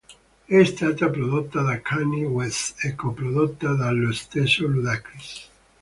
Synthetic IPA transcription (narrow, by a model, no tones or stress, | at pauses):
ɛst̪at̪apɾoðot̪ːaðakʰaniwesekopɾoðot̪ːaðaloest̪esoluðakɾis